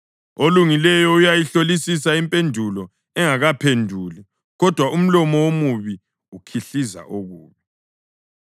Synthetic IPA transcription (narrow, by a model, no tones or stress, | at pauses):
oluŋilɛjɔujajiɬolisisaimpʼendʱulɔ | ɛŋaɣapʰendʱuli | ɣɔd̥ʱwaʔum̩lɔmɔwomuβi | ukʰiɬiza̰ʔoɣuːβi